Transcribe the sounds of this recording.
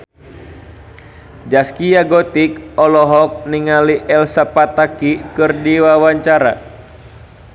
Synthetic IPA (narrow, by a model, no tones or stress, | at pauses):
d͡ʒaskijaɡɔt̪ikɔlɔɦɔk̚niŋaliʔɛlsapat̪akikɨrdiwawaɲt͡ʃaɾa̰